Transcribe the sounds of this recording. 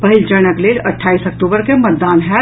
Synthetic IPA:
pɐɦɪlt͡ʃəñəkleːlɐʈʰːaːisɐk̚ʈuːbəɾkemɐt̪̚d̪aːnɦɛ

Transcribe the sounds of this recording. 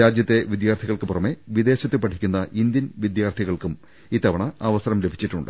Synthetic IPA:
aːd͡ʑjɐt̪ːe̞ʋid̪jaːrt̪ʰiɣɐɭkɨpurɐme̞ʋid̪e̞ːɕɐt̪ːɨpɐʈʰi̥kʲːunːɐʔind̪jɐnʋid̪jaːrt̪ʰiɣɐɭkum | iːt̪ːɐʋɐɳɐɐʋɐsɐrɐmle̞bʱit͡ɕːiʈːuɳɖɨ̰

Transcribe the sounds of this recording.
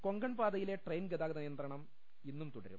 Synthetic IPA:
ko̞ŋɡɐɳpaːd̪ɐjile̞ʈrejnɡɐd̪aːɣɐd̪ɐnijɐnd̪rɐɳɐm | inːumt̪uɽɐ̰ɾṵu

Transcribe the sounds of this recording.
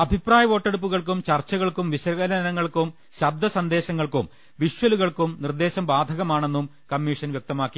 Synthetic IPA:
ɐbʱipraːjɐʋo̞ːʈːeɽup̬ːuɣɐɭk̬umt͡ɕɐrt͡ɕːɐɣɐɭkumʋiɕɐɾɣɐɾɐɐnɐŋːɐɭkum | ɕɐb̚d̪ʱɐsɐnd̪e̞ːɕɐŋːɐɭkum | ʋiʂʋɐluɣɐɭkumnird̪e̞ːɕɐmbaːd̪ʱɐɣɐmaːɳe̞nːum | kɐmːiːʂɐnʋjɐk̚t̪ɐmaːkːi

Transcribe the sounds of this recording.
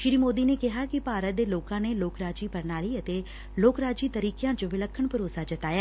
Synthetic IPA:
ʃɪɾiːmoːd̪iːneːkɪɦaːkɪpaːɾət̪̚d̪eːloːkãːneːloːkɾaːd͡ʒiːpɐɾnaːliːət̪eː | loːkɾaːd͡ʒiːt̪əɾiːkejãːt͡ʃoʋɪləkʰːəɳpʊɾoːsad͡ʒət̪aːjaː

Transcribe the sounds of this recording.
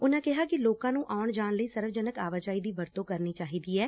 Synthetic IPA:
ʊnãːkɪɦaːkɪloːkãːnũːʔaːʊɳd͡ʒaːɳləiːsəɾʋd͡ʒənəkaːʋad͡ʒaːiːd̪iːbəɾt̪õːkəɾniːt͡ʃaːɦiːd̪iːɛː

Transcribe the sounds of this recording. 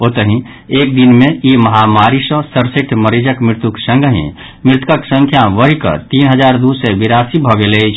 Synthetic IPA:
ot̪əɦĩ | eːk̚d̪inmẽiməɦamaɾisə̃səɾseʈʰməɾid͡ʒəkmɪɾt̪uksə̃ŋɡʱəɦḭ̃ | mɪɾt̪kəksə̃ŋkʰjaʋəɦikə̰t̪iːnɦəd͡ʒaːɾd̪usebiɾaːsibʱɔɡelet͡ʃʰ

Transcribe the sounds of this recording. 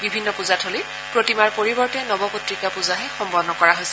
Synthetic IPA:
bibʱinːɔpuzatʰoli | pɹotimaɹpoɹibɔɹtɛnɔbɔpotɹikapuzaɦɛxɔmpɔnːɔkɔɹaɦojsɛ

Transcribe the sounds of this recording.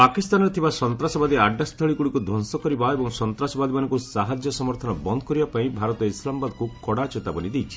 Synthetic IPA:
pakist̪anɔɾet̪ʰibasɔnt̪ɾasɔbad̪iaɖːast̪ʰɔɭikuɽikud̪ʱɔnsɔkɔɾibaebɔŋsɔnt̪ɾasɔbad̪imanɔŋkusaɦad͡ʒjɔsɔmɔɾt̪ʰɔnɔbɔnd̪ɔkɔɾibapaĩbʱaɾɔt̪ɔislamɔbad̪kukɔɽat͡ʃet̪abɔnid̪ejt͡ʃʰi̥

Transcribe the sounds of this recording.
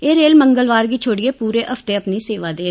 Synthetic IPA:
eːɾeːlməŋɡəlʋaːɾɡiːt͡ʃʰoːɽɪeːpuːɾeːʔəft̪eːəpniːseːʋaːd̪eː

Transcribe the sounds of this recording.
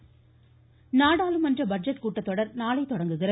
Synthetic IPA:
naːɽaːlɯmɐndrɐbɐd͡ʒɐʈ̚kuːʈːɐt̪ːɔɽɐɾnaːlɐɪt̪ɔɽɐŋɡɯɣɪrɐ

